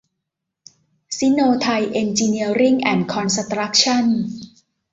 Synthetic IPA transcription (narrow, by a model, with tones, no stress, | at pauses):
si˦˥noː˧t̪ʰa˧jʔe˧nt͡ɕiː˧ni˧əɾi˥˩ŋʔɛ˨˩nkʰɔ˧nsa˧t̪ɾa˦˥k̚t͡ɕʰa˥˩n